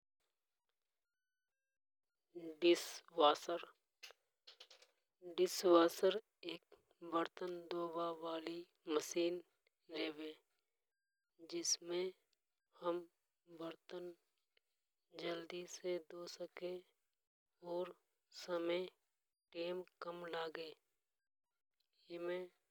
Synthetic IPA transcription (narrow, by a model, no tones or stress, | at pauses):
ɖɪswaːsəɾ | ɖɪswaːsəɾ | eːk̚ | bəɾt̪ənd̪oːbaʋaːli | məsiːn | ɾeːweː | d͡ʒɪsmẽ | həm | ʋəɾt̪ən | d͡ʒəld̪ised̪oːsəke | ɔːɾ | səməj | ʈeːmkəmlaːɡeː | jemẽː